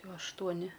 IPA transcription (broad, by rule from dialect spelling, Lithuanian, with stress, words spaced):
ˈjɛʊ ɐʃtuɔˈnʲɪ